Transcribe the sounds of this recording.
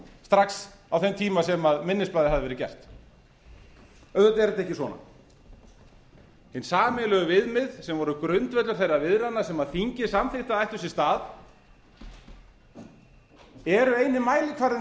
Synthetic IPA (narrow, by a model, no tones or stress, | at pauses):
st̪ɾaks | awθɛmt̪ʰiːmasɛmaðmɪnːɪsplajðɪhɦaðɪvɛːɾɪcɛ̰r̥t̪ | œðœt̪ɛɾɛt̪ɛhcɪsvɔ̰na̰ | ɪnsaːmɪlœɣʏvɪðmɪðsɛmvɔɾʏkɾʏnt̪vɛt̪lʏɾ̥θejravɪðɾanːasɛmaðθiɲcɪsamθɪht̪aðajht̪ʏɾsɪ̥st̪aːð | ɛɾʏejnɪmaːjlɪkʰvaɾðɪ